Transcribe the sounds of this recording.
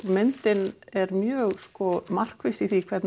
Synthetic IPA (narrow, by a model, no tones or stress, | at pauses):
mɪnt̪ɪnɛɾmjœːɣskɔmar̥kvɪsiθikʰvɛɾt̪